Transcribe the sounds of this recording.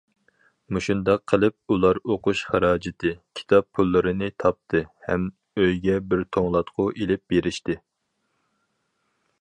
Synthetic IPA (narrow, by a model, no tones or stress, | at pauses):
muʃund̪ɑqʰːəlˠɨp̚ulˠɑɾoqʊʃχæɾɑːd͡ʒɪt̪ʰɨkʲʰi̥t̪ʰɑpʰːulˠːɨɾɨnɨt̪ʰɑp̚t̪ʰɨhɛm | øjɡʲɛbɪɾt̪ʰoŋlˠɑt̪qʰʊʔelɪp̚beɾɪʃt̪ɪ